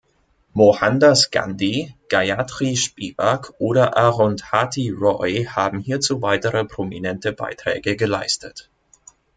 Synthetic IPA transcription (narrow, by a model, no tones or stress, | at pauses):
mohandasɡa̰ndiɡ̥aatʁ̥iʃpiːbakʰʔoːɾɐʔaʁɔnthatiʁɔɪhaːbm̩hiːɐt͡suːvaɪtəʁəpʁ̥omḭnɛntəba̰ɪtʁ̥ɛ̰ːɡəɡəlaɪstət